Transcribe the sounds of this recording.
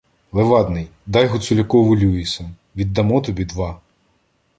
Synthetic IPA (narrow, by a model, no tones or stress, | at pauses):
lˠeʋɑd̪nɪjd̪ɑjɦʊt̪sʊlʲɐkɔʋʊlʲuisɐm | ʋʲid̪ːɐmɔt̪ɔbʲid̪ʋɑ